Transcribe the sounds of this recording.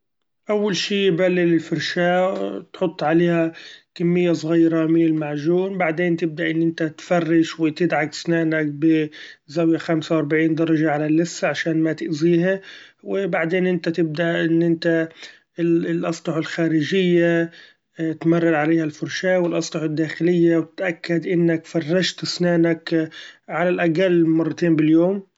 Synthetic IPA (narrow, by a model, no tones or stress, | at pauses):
ʔawːalʃiːjbalːɪlɪlfʊɾˤʃaːt̪ħʊt̪ˤːʕaleːhakamːɪjːasˤɣiːɾˤɑmɪɪlmaʕʒuːnbaʕd̪eːnt̪ɪb̚d̪aʔɪnːʔɪnt̪at̪fɑrːɪʃwɪt̪ɪd̪ʕaksnaːnak̚bɪ | zawjaxamsawɑɾˤbaʕiːnd̪ɑɾˤɑʒaʕalalːɪsːaʕaʃaːnmat̪ɪʔziːɦawɪbaʕd̪eːnʔɪnt̪at̪ɪb̚d̪aʔʔɪnːʔɪnt̪a | lʔɑsˤt̪ɑħalxaːɾɪd͡ʒɪjːa | t̪mɑrˤːɑɾʕaleːhalfʊɾʃaːwɪlʔɑsˤt̪ɑħɪd̪ːaːxɪlɪjːawt̪ɪt̪ʔakːad̪ʔɪnːakfɑrˤːɑʃt̪ɪsnaːnakʕalalʔaɡalːmɑrˤːɑt̪eːmbɪljoːm